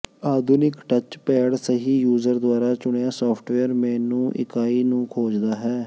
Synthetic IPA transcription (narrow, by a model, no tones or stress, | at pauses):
aːd̪ʱʊnɪkʈət͡ʃpɛːɽsəɦiːjuːzəɾd̪ʊaːɾaːt͡ʃʊɳejaːsɔːpʰʈʋɛːəɾmɛ̃ːnũːʔɪ̰kaːiːnũːkʰoːd͡ʒd̪aːɦɛː